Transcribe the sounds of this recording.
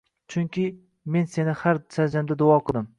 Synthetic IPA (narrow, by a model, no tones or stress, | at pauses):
t͡ʃʰʊŋkʲʰɪ | me̞nse̞nɪhaɾsad͡ʒamd̪ad̪ʊɒqʰɨlˠd̪ɪm